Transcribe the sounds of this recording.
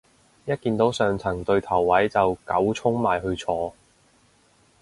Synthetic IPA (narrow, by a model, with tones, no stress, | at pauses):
jɐ˥t̚kiː˧nt̪o˨˥wsœː˨ŋt͡sʰɐ˨˩ŋt̪ɵ˧ɥt̪ʰɐ˨˩wːɐ˨˥jt͡sɐ˨wkɐ˨˥wt͡sʰʊ˥ŋmaː˨jhɵ˧ɥt͡sʰɔː˧